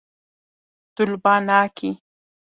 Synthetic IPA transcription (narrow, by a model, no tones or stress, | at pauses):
t̪ʊlbɑːnaːkʰi